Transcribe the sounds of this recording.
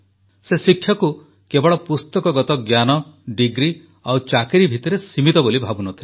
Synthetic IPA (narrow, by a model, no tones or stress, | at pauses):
sesikʰːjɔku | kebɔɭɔpust̪ɔkɔɡɔt̪ɔɡjanɔɖiɡɾi | awt͡ʃakiɾibʱit̪ɔɾesimit̪ɔbolibʱabunɔt̪ʰil